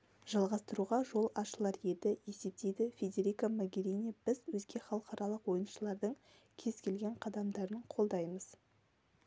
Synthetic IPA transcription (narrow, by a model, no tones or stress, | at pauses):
ʒɑlˠʁɑst̪əɾuʁɑʒo̞lˠɑʃəlˠɑɾje̞d̪ɪje̞se̞p̚t̪ejd̪ɪfʲed̪ʲe̞ɾikamoɡʲeɾinʲjabɪzwɵzɡʲe̞χɑlˠəqɑɾɑlˠəqwo̞jənʃəlˠɑɾd̪əɴ | kʲʰe̞z̥kʲʰe̞lɡʲe̞ɴqʰɑd̪ɑmd̪ɑɾəɴqʰo̞lˠd̪ɑjməz̥